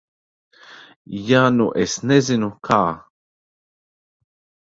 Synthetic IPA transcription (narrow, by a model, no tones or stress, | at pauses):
januʔesnezinukʰaː